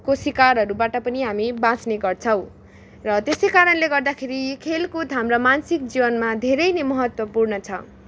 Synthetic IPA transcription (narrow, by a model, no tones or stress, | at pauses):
kosikaɾɦʌɾubaʈʌpʌniɦamibãt͡sneɡʌrt͡sʰʌw̃ | rʌt̪esʌjkaɾʌnleɡʌrd̪akʰeɾikʰelkud̪ʱamrʌmansik̚d͡zibʌnmad̪ʱeɾʌjnemʌɦʌt̪wʌpurnʌt͡sʰʌ